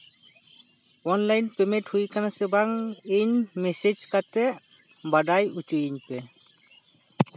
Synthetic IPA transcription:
ɔnlajnpɛmeʈhujkanasɛbaŋeɲmesed͡ʒkatɛʔ | baɖajut͡ʃujiɲpɛ

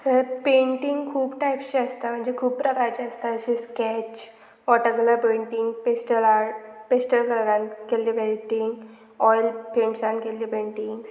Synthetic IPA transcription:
təɾpẽɳʈiŋɡkʰuːbʈajpɕeəst̪am̤əɳd͡ʑekʰuːb̚pɾəkaɾt͡ɕeəst̪aəɕiskɛt͡ɕ | ʋɔʈəɡlapeɳʈiŋɡpesʈəlapesʈəlkələɾãnkelipeʈiŋɡ | ɔjlpẽɳʈsankelipẽɳʈiŋɡs

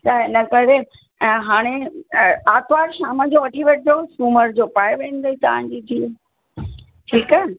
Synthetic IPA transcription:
t̪ɐnɐkɐɾẽ | ɦaːɽ̃e | aːt̪ʋaːɾʃaːməd͡ʑoːʋɐʈʰiʋeːʈʰd̪osuːməɾd͡ʑoːpaːjʋẽːnd̪ɐit̪ɐʋ̤ãɲd͡ʑiːt̪iː | ʈʰiːkɛː

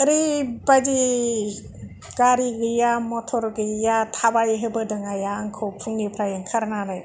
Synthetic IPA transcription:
ɾibad͡ʒi | ɡ̥aɾiɡɯjamɔtʰɔɾɡɯjatʰabajɦɯbɯdɯŋajaŋkʰɯwpʰuŋnipʰɾajɯŋkʰaɾnanɯj

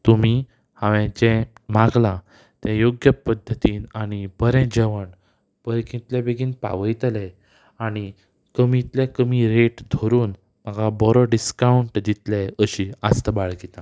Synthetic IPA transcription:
t̪um̤i | haʋɛ̃d͡ʑɛ̃mãɡlã | t̪jãjoɡjəpəd̪ʱːət̪iːnaɽ̃ibəɾɛ̃d͡ʑəʋəɳ | b̥əɾkĩt̪ljabeɡiːnpa̰ʋəjt̪lɛ | aɽ̃i | kəmit̪ljakəmiɾeʈd̪ʱoɾuːn | məɡʱabɔɾɔɖiskauɳʈd̪it̪lɛəɕiːast̪əbaɭɡit̪ã

